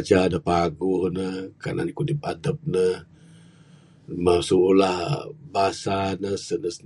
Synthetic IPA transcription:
t͡ʃadəhpaɡuhnəhkana̰nkudipadəp̚nəh | masulahbasanəsənəs

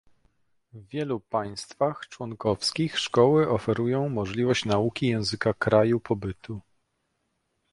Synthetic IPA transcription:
vvʲjɛlupaj̃st̪faxt͡ʂwɔŋkɔfskʲixʂkɔwɘʔɔfɛɾujɔ̃w̃mɔʐlʲivɔɕt͡ɕnaukʲijɛ̃w̃zɘkakɾajupʰɔbɘt̪u

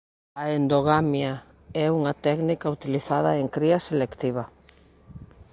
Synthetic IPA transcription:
aend̪oɣ̞amja | ɛuŋat̪ɛknikaut̪iliθaðaeŋkɾiaselekt̪iβ̞a

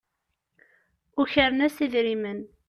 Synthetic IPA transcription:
ʊçəɾənæsiðɾimən

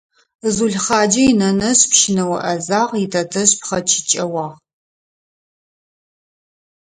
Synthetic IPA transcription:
zuɮχɑːd͡ʒɐjinɐnɐɕpʃɪnɐwɐ̰ʔɐzaːʁitʰɐtʰɐɕpχɐt͡ʃʰɪ̥t͡ʃʼɐwɑːʁ

